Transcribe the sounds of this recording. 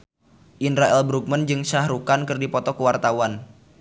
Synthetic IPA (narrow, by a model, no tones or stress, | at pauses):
ʔinɾaʔɛlbɾuk̚mənd͡ʒɨŋsahɾukankɨrdipɔt̪ɔkəwart̪awan